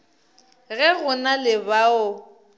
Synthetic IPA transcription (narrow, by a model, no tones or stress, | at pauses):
ɣɛɣʊnalɪbaʊ